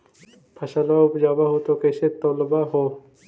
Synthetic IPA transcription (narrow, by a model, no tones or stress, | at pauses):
pʰɐʃalaʊpd͡ʒaːbaɦot̪okɛːset̪oːləbaɦoː